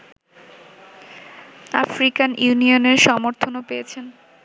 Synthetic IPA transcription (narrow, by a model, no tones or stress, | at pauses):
a̰fɾikanjuunioneɾʃɔmoɾt̪ʰonopejet͡ɕʰen